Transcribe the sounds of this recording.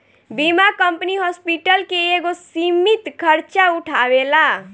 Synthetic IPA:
bimakəmpniɦɔspiʈəlkeeɡosimit̪kʰəɾt͡ʃauʈʰaːwela

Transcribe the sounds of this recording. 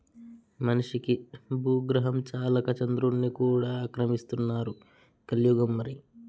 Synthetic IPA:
mɐnuʂikibʱuːɡɾɐɦɐmt͡ʃaːlɐkɐt͡ʃɐnd̪ɾunːikuːɽaːkɾɐmist̪unːaːɾu | kɐljuːɡɐmːɐɾi

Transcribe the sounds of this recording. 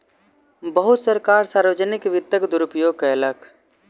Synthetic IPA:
bəɦʊt̪səɾkaːɾsaːɾʋəd͡ʒənɪkʋɪt̪ːəkd̪ʊɾʊpjoːɡ̚kələk

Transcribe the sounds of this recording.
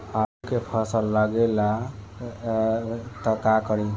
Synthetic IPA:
akepʰəsəlːaɡela | t̪əkakəɾi

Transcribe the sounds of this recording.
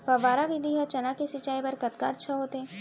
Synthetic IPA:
pɐʋaːɾaʋid̪ʱiɦɐt͡ʃɐnakesɪt͡ʃaːipɐɾkɐt̪kaɐtːʃʰaɦoːt̪eɛ̃

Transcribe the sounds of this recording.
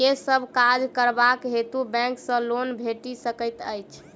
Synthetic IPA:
esəbʱkad͡ʒkəɾbakɦet̪ubɛ̃ksə̃lonbʱeʈisəkət̪əjt͡ʃʰ

